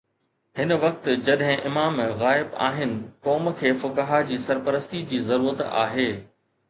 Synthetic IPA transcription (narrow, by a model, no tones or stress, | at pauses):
hɪnʋɐk̚t̪d͡ʑɐɗɦɪ̃ʔɪmaːmɣaːɪba̰ːɦɪnɪ̆kɔːmkʰeːfʊkaɦad͡ʑiːsɐɾpəɾəst̪id͡ʑiːzɐɾuːɾət̪a̰ːɦeː